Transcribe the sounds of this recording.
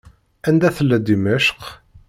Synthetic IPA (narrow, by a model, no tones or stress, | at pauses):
ænd̪æθəlːæd̪imæʃq